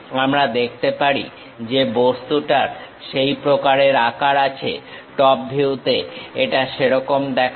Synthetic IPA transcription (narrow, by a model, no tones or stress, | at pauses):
amɾad̪ek̚ʰt̪epaɾḭ | d͡ʑebost̪uʈaɾ | ʃejpɾokaɾeɾakaɾat͡ɕʰḛʈɔp̚bʱiwt̪eeʈaʃeɾɔkomd̪ɛkʰ